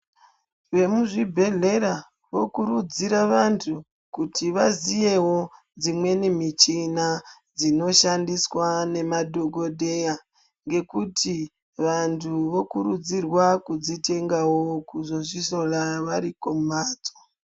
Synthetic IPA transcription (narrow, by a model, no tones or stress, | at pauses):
ʋe̞muʐibʱe̞ɮe̞ɾa | ʋo̞kuɾud͡ziɾaʋantʰu | kutʰiʋazije̞wo̞ | d͡zimwe̞nimit͡ʃina | d͡zino̞ʃandiswane̞madʱoɡʱo̞dʱe̞ja | ŋɡe̞kutʰi | ʋantʰuʋo̞kuɾud͡zirwakud͡zite̞ŋɡawokuzo̞ʐiso̞laʋaɾikoaːd͡zo̥